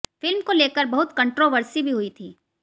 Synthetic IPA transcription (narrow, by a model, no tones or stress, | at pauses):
fɪlmkoleːkəɾbɐɦʊt̪kə̃ɳʈɾoːʋəɾsibʱiɦʊit̪ʰiː